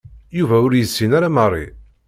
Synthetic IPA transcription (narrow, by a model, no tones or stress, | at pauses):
juvæʊɾjəsːinaɾamərˤːḭ